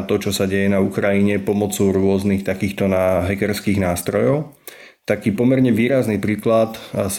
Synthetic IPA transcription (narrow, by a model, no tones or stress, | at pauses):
t̪ɔt͡ʃɔsaɟɛjɛnaukɾajiɲɛpɔmɔt͡sɔʊɾʊɔznixt̪akiːxt̪ɔnaɦɛkɛɾskiːɣnaːst̪ɾɔjɔʊ | t̪akiːpɔmɛɾɲɛʋiːɾaznipɾiːklat̪s